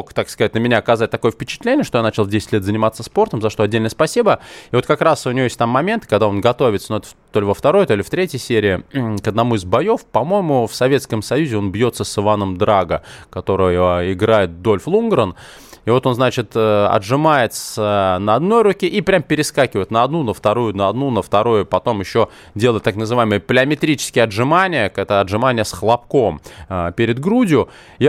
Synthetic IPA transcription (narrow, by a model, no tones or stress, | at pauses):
kt̪akskɐzatʲnəmʲɪnʲaːkɐzat̚ʲt̪ɐko̞jəfpʲɪt͡ɕɪ̥t̪lʲenʲɪjəʂt̪ojanat͡ɕɪlˠvdʲesʲɪtʲlʲet̪zənʲɪmat̪sːəspo̞rt̪əmzɐʂt̪o̞ɐdʲːelnəjəspɐsʲibəɪvo̞t̪kɐkɾasʊnʲɪvojesʲt̪ʲamːɐmʲe̞nt̪ɨ̥kɐɡd̪ao̞nɡɐt̪o̞vʲɪt̪sənoɛt̪ə̥t̪ːo̞lʲɪvəft̪ɐɾo̞jt̪o̞lʲɪft̪ɾʲetʲjəjsʲeɾʲɪɪkəd̪nɐmuɪzbɐjo̞fpɐmo̞jɪmʊfsɐvʲe̞t̪skəmsɐjuzʲɪo̞nbjo̞t̪səsɨvanəmd̪ɾaɡəkɐt̪o̞ɾɨjɪɡɾajɪt̪̚d̪o̞lʲflˠunɡɾən | ɪvo̞t̪o̞nznat͡ɕɪt̪əɐ̰dʐɨmajɪt̪sənəɐd̪no̞jɾʊkʲeʔipɾʲampʲɪɾʲɪskakʲɪvəjɪt̪nəɐd̪nunəft̪ɐɾujʊnəɐd̪nunəft̪ɐɾujʊpɐt̪o̞mjɪɕːo | dʲelˠəɪt̪ːaknəzɨvaɪməjəplʲɪəmʲɪt̪ɾʲit͡ɕɪ̥skʲɪjəɐʐɨmanʲɪjəkɛt̪əɐdʐɨmanʲɪjəsxlˠɐpko̞məpʲɪɾʲɪd̪ɡɾudʲɪjʊ